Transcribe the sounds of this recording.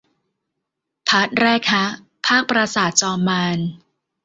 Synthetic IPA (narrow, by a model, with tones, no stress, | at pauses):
pʰa˦˥t̪̚ɾɛː˥˩k̚ha˦˥ʔ | pʰaː˥˩k̚pɾa˧saː˨˩˦t̪̚t͡ɕɔː˧mːaː˧n